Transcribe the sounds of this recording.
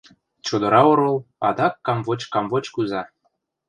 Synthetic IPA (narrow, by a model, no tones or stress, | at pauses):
t͡ɕod̪ɤ̆ɾɑoɾɤ̆lˠɑ̰d̪ɑkːɑmvot͡ɕkɑmvot͡ɕkuzɑ